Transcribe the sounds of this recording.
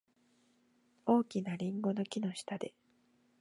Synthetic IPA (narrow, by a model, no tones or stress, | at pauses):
o̞ːkʲinaɾʲĩŋɡo̞no̞kʲino̞ɕi̥t̪ad̪e̞